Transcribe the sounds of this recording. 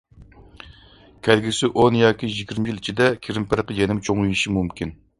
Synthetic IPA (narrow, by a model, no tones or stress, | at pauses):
kʲʰælɡʲisɪʔonjɑːkʲijiɡʲiɾmɪjilit͡ʃʰid̪ɛkʲʰiɾɪmpɪɾqəd͡ʒɛnɪmt͡ʃʰoŋujiʃimumkʲin